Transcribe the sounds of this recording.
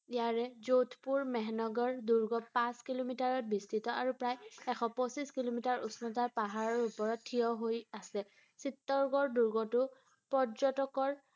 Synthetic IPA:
ijaɹɛzotʰpuɹmɛɦnɔɡɔɹduɹɡɔpãskilomitaɹɔt̚bistitɔʔaɹupɹajɛxʰɔpɔsiskilomitaɹusnɔtapaɦaɹɔɹupɔɹɔtʰːijɔɦojasɛ | sitːɔɹɡɔɹduɹɡɔtʊ | pɔɹzɔtɔkɔɹ

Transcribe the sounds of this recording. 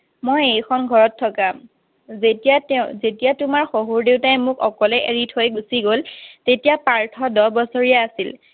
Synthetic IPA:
mojejkʰɔnɡʱɔɹɔtʰːɔka | zetazetijatumaɹxoɦuɹdewtaɛmʊkɔkɔlɛʔeɹitʰojɡusiɡoltetijapaɹtʰɔdɔbɔsoɹijaːsil

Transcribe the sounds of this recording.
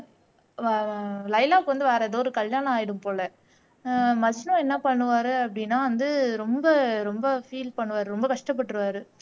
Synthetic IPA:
lɐɪlaːkːɯʋɐnd̪ɯʋeːɾɐðoːɔɾɯkɐɭjaːɳɐ̃aːjɪɽɯmpoːlɛ | mɐsnõɛnːɐpɐɳːɯʋaːɾɯɐpːɐɽɪnːaːʋɐnd̪ɯɾɔmbɐɾɔmbɐfiːlpɐɳːɯʋaːɾɯɾɔmbɐkɐʂʈɐp̬ːɐʈːɾɯʋaːɾɯ

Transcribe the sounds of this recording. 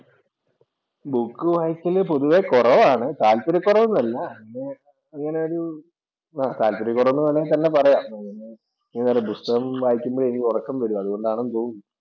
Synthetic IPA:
bukːɨʋɐjikːilpoðuʋekurɐʋaːɳɨt̪aːlpiɾɐkːurɐʋunːɐlːɐŋːɐne | ɐŋːɐne̞o̞ɾu | aːt̪aːlpiɾɐkːurɐʋnːunɐlːɐt̪ɐnːe̞pɐrɐjaːmiŋːɐne̞ | ɐŋːɐnɐːɾebust̪ɐɣɐmʋaːjikʲːumboːɽeŋiurɐkːɐmʋɐɽuɐðuɣo̞ɳɖaːɳɐnt̪oːɣunː

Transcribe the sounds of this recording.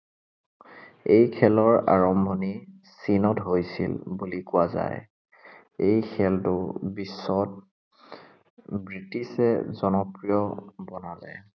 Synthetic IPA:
ejkʰɛlɔɹa̰ɹɔmbʱɔni | sinɔtɦojsḭlbulikʊaza̰j | ejkʰɛltʊbisːɔt̚ | bɹitisɛ̰zɔnɔpɹijɔbɔnalɛ̰

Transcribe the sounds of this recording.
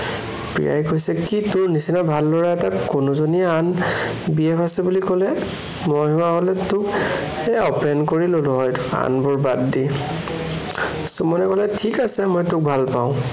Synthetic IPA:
pɹḭja̰jkojsɛkitʊnisinabʱalːɔɹaɛtakʊnʊzoniɛan | biɛpʰasɛbulikɔlɛ | mojɦʊaɦolɛtʊk | ɛɔpɛnkoɹilolʊɦɔjtʊ̥a̰nbʊɹbatdi | sumɔnɛkɔlɛtʰikasɛmɔjtʊk̚bʱalpaʊ̃

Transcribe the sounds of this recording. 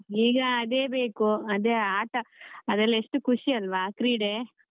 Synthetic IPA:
iːɡɐːd̪eːbeːkuɐd̪eaːʈɐɐd̪ɐlːeʂʈukʰuʂiɐlʋaːkɾiːɽeː

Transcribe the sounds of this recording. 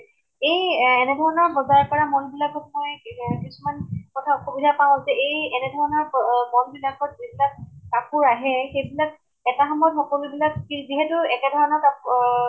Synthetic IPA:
ejɛnɛdʱɔɹɔnɔɹbɔzajɔɹpɔɹamɔnbilakɔt̚mɔjkisumankɔtʰauxobidʱapaʊ̃zɛʔejɛnɛdʱɔɹɔnɔɹmɔnbilakɔt̚zibilak̚ːapʊɹaɦɛxejbilak̚ | ɛtaxɔmɔɔtxɔkɔlubilakkiziɦɛtʊɛkɛdʱɔɹɔnɔka

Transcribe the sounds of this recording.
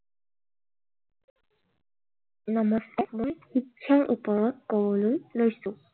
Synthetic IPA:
nɔmɔsamojhikʰːaŋʔṵpɔɹɔt̚kɔbɔlojlojsʊ̃

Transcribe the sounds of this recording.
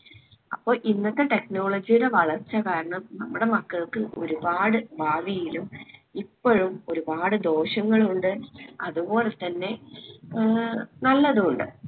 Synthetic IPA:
ɐpːo̞ːɭʔinːɐt̪ːe̞ʈe̞kno̞ːɭɐd͡ʑijuɽe̞ʋɐɭɐrt͡ɕːɐkaːɾɐɳɐmnɐmːuɽe̞mɐkːɐɭkɨʔo̞̰ɾubaːɽɨbʱaːdijilumipːoɻumo̞ɾubaːɽɨd̪o̞ːɕɐŋːɐɭuɳɖɨɐðubo̞ːle̞t̪ːɐnːe̞ | nɐlːɐðɨuɳɖɨ̰

